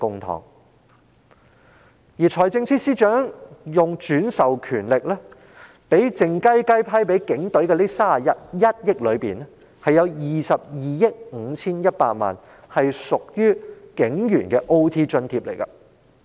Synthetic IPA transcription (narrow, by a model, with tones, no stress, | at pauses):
kʊ˧ŋt̪ʰɔ̰ː˨˩ŋ | jiː˨˩t͡ʃʰɔː˨˩jt͡sɪ˧ŋsʰiː˥siː˥t͡ʃœː˨˥ŋjʊ˨ŋt͡ʃyː˨˥nsɐ˨wkʰyː˨˩nlɪ˨k̚lɛː˥ | pe˨˥jt͡sɪ˨ŋkɐ˥jkɐ˥jpʰɐ˥jp̬e˨˥jkɪ˨˥ŋt̪ɵ˨˥ɥkɛː˧liː˥saː˥˨jɐ˥t̚jɐ˥t̚jɪ˥k̚lɵ˨˧ɥpiː˨nɛ˥ | hɐ˨jːɐ˨˧wjiː˨sɐ˨p̚jiː˨jɪ˥k̚ŋ̩ː˨˧t͡sʰiː˥njɐ˥t̚paː˧t̚ma̰ː˨˩n | hɐ˨jsʊ˨k̚jyː˥kɪ˨˥ŋjyː˨˩nkɛː˧ʔo˥wt̪ʰiː˥t͡ʃɵ˧nt̪ʰiː˧p̚lḛ˨˩jkɐ̰˧